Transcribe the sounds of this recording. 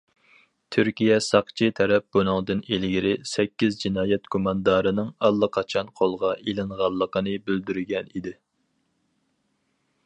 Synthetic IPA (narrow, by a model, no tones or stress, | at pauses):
t̪ʰyɾkʲijɛsɑqt͡ʃʰit̪ʰɛɾɛp̚bunʊŋd̪ɨnelɡʲiɾɪsɛkʲːizd͡ʒinɑːjɛt̪kʰomɑnd̪ɑːɾɨnɨŋɑlˠːəqʰɑt͡ʃʰɑnqʰolˠʁɑelɨŋʁɑlˠːəqənɨbyld̪yɾɡʲɛnid̪ɪ